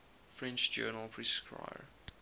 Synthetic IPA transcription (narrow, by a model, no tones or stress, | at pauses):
fɹɛ̃nt͡ʃd͡ʒɜːnəlˠpʰɹiskɹa̰ɪəɹ